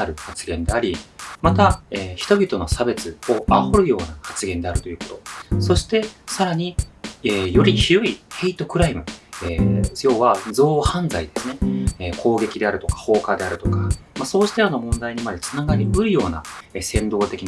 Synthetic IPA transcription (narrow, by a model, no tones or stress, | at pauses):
aɾɯ̟hat͡sɨɡẽ̞nd̪e̞aɾʲimat̪aeːçi̥t̪o̞bʲit̪o̞no̞sabe̞t͡sɨo̞aho̞ɾɯ̟jo̞ːnahat͡sɨɡẽ̞nd̪e̞aɾɯ̟t̪o̞jɯ̟ːko̞t̪o̞so̞ɕi̥t̪e̞saɾaɲ̟iejo̞ɾʲiçiɾo̟ihe̞it̪o̞kɯ̟ɾaimɯ̟eːjo̞ːβad͡zo̞ːhãnd͡zaid̪e̞sɨne̞eːkʰo̞ːɡe̞kʲid̪e̞aɾɯ̟t̪o̞̥kḁho̞ːkad̪e̞aɾɯ̟t̪o̞kamaso̞ːɕi̥t̪eɾano̞mõ̞nd̪aiɲ̟imad̪e̞t͡sɨ̥naɡaɾʲibɯ̟ɾɯ̟jo̞ːna̰esẽ̞nd̪o̞ːt̪e̞kʲin